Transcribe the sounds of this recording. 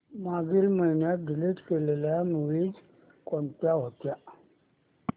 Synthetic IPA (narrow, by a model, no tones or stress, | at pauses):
maɡilməinjaɡiletkelelajamuwid͡z | kont̪aɦot̪ja